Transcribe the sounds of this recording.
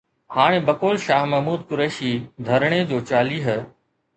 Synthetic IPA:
haːɽ̃ebɐkoːlʃaːɦmɐɦmuːd̪̚kʊɾeːʃid̪ʱɐɾɽ̃ed͡ʑoːt͡ɕaːliːɦə

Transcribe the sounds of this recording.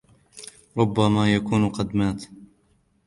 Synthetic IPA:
ɾˤʊbːamaːjakuːnqɑd̪maːt̪

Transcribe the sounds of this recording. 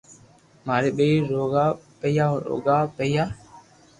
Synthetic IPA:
maːɾeːɓeiːɾoːɡaːpəjaːɾo̰ːɡaːpəjaː

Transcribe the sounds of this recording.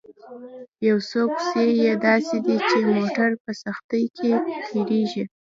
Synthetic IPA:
jawsopsejed̪ɑsed̪it͡ʃemoʈaɾpəsaxt̪əjkʰepʰeɾeʒi

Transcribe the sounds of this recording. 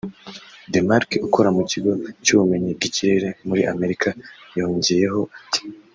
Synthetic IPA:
de̞maɾkukʰoɾamuciɡo̞cuβume̞ɲiɡiciɾe̞ɾe̞muɾiʔame̞ɾikʰajo̞ːɲɟeje̞ɦo̞ati̥

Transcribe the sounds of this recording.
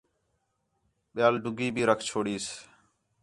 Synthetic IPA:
ɓɪjaːlɖʊɡiːbʱiːɾəkʰt͡ʃʰoːɽiːs

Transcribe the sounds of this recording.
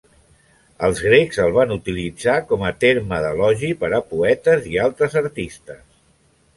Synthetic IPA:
əlˠzɣɾekzəlˠβ̞anut̪ilid͡zakɔmət̪eɾməðəlɔʒipəɾəpuɛt̪əzialˠt̪ɾəzəɾt̪ist̪əs

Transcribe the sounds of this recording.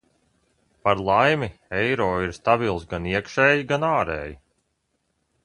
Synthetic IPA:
paɾlˠajmiɛjɾɔːiɾst̪abilˠsɡaniɛkʃɛːjiɡanaːɾɛ̰ːji

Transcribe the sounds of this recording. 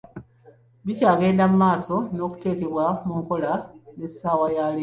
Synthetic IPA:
βicaːɡe̞ːndamumaːso̞no̞ːku̥te̞ːkeβwamuːŋko̞lanesaːwajaːli

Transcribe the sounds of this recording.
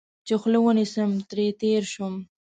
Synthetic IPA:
t͡ʃexlewənisəmt̪ɾet̪eɾʃum

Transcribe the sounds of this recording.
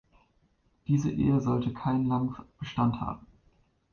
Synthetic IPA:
d̥iːzəʔḛːəzɔltəkʰaɪnlamfb̥əʃtantha̰ːbm̩

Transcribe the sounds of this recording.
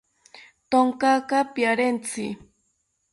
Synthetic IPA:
t̪oŋkɑkɑpjaɾent͡sɪ

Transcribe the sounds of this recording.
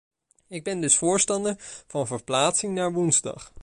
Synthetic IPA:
ɪɡ̚bɛndɵsfʊːɹstɑndəɹv̥ɑnvəɹplaːtsɪŋnaːɹʋunzdɑ̰χ

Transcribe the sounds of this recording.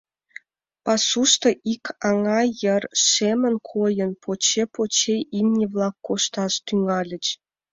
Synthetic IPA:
pɑsuʃt̪ɤʔikʰɑŋɑjərʃemə̆nkʰojə̆npʰot͡ɕepot͡ɕeʔinʲːiβlɑkːoʃt̪ɑʃt̪yŋɑlʲə̆t͡ɕ

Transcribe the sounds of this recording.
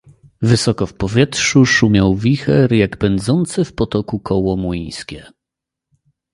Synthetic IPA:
vɘsɔkɔfpɔvʲjɛtʂuʂumʲjawvʲixɛɾjaɡbɛnd̪zɔnt̪sɘfpɔt̪ɔkukʰɔwɔmujj̃skʲɛ

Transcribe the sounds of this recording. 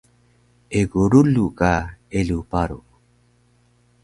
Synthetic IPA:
eɡuɾulukaelupaɾṵ

